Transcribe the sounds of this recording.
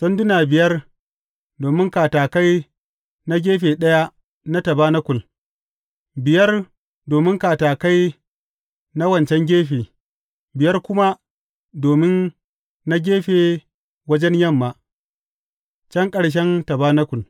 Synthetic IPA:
sɐ˦ndʊ˦naː˨bɪ˨jɐ˦r | doː˨mɪ˦ŋkaː˨taː˨ka˦j | na˦ɡʲeː˦ɸeː˨ɗɐ˦ja˦ | na˦tɐ˨baː˦na˦kʷʊ˨l | bɪ˨jɐ˦r | doː˨mɪ˦ŋkaː˨taː˨ka˦j | na˦wɐ˨nt͡ʃɛ˦ŋɡʲeː˦ɸeː˨ | bɪ˨jɐ˦rkʷʊ˦ma˦ | doː˨mɪ˦nː | a˦ɡʲeː˦ɸeː˨ | wɐ˦d͡ʒɛ˦ɲjɐ˦˨mːa˨ | t͡ʃɐ˦ŋkʼɐ˨ɽʃ̬ɛ˦ntɐ˨baː˦na˦kʷʊ˨l

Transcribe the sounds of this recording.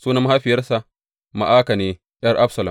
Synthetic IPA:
suː˦nɐ˦m˦ha˦ɸɪ˨jɐ˦rsa˨ | ma̰˨ʔaː˦ka˨neː˦ | jɐ˦rʔa˦bsɐ˨lɐ˨m

